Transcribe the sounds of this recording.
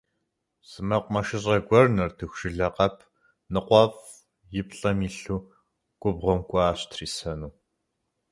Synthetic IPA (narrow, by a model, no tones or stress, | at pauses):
sɨmɐqʷmɐʃɪɕʼɐɡʷɔrnɐrtʰɨxʷʂɨɮɐqɐpʰ | nɨqʷɔv | jɪpɬʼɐmiːɬuː | kʷʼʊbʁʷɔmkʷʼɔaːɕtʰriːsɐnuː